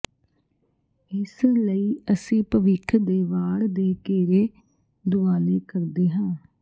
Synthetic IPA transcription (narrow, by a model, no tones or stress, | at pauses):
ɪsləiːəsĩːpəʋɪkʰd̪eːʋaːɽd̪eːkeːɾeː | d̪ʊaːleːkəɾd̪eːɦãː